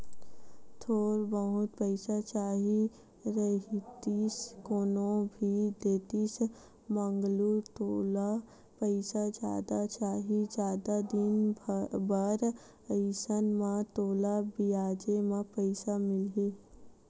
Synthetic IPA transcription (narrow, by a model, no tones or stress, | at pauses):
t̪ʰoːɾbəɦʊt̪̚pəɪsat͡ʃaːɦi | ɾəɦt̪iskoːnõbʱid̪eːt̪is | mə̃ŋɡlut̪oːla | pəɪsad͡ʒja̰ːd̪at͡ʃaːɦid͡ʒjaːd̪ad̪ɪnbəɾ | əjsənmãt̪oːlabiaːd͡ʒemãpəɪsamɪlɦe